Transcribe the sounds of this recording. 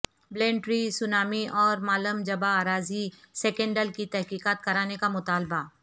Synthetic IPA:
blẽːɳʈɾisʊnaːmiʔɔːɾmaːləmd͡ʒɐbaːɾaːziseːkə̃ɳɖəlkit̪ɛɦkiːkaːt̪̚kɐɾaːnekamʊt̪aːlba

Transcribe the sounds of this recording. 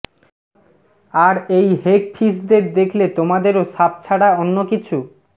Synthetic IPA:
aɾejɦekfʰisd̪eɾd̪ekʰlet̪omad̪eɾoʃap̚t͡ɕʰaɽaonːokit͡ɕʰu

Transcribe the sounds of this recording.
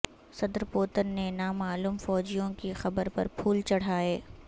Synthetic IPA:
sɐd̪ɾpoːt̪ənːenaːmaːluːmfɔːd͡ʒijõkixɐbəɾpɐ̰ɾpʰuːlt͡ʃɐɽ̤aːeː

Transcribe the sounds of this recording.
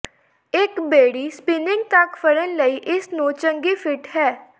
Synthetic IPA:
ɪkbeːɽiːspɪnɪ̃ŋɡ̚t̪ɐkfəɽənləiːʔɪsnũːt͡ʃə̃ŋɡipʰɪʈɦɛː

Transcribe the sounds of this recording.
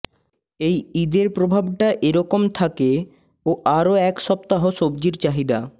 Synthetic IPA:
ejid̪eɾpɾobʱabʈaʔeɾɔkomt̪ʰake | oʔaɾoɛkʃɔp̚t̪aɦoʃobd͡ʑiɾt͡ɕaɦid̪a

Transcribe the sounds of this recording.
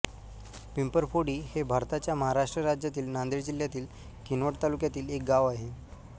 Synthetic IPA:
pimpəɾpoɽiːhebʱaɾt̪at͡ɕjaməɦaɾaʂʈɾəɾad͡ʑjat̪iːlnand̪eɾd͡ʑiljat̪iːl | kinʋəʈt̪alukjat̪iːlek̚ɡaʋaɦe

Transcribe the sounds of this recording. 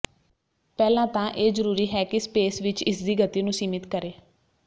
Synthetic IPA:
pɛːlãːt̪ãːʔeːzəɾuːɾiːɦɛːkɪspeːsʋɪt͡ʃɪsd̪iːɡət̪ːiːnũːsiːmɪt̪kəɾeː

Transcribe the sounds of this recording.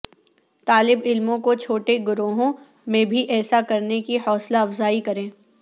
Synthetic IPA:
t̪aːlɪbɪlmõkot͡ʃʰoːʈeɡʊɾoːɦõ | mẽbʱiʔɛːsakɐɾnekihɔːslaɐfzaːikɐɾẽː

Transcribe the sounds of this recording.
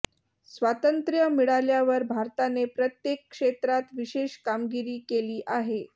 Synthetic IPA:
sʋat̪ənt̪ɾjəmiɽaljaʋəɾbʱaɾt̪anepɾət̪jekːʂet̪ɾat̪ʋiɕeɕkamɡiɾiːkeliːʔaɦe

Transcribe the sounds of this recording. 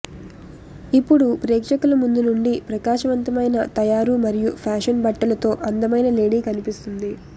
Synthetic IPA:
ipːuɽupɾɛːkʂɐkulɐmund̪unuɳɖipɾɐkaːʃɐʋɐnt̪ɐmɐjnɐt̪ɐjaːɾumɐɾijupʰaːʂɐnbɐʈːɐlɐt̪o̞ːʔɐnd̪ɐmɐjnɐleːɽiːkɐnipist̪und̪i

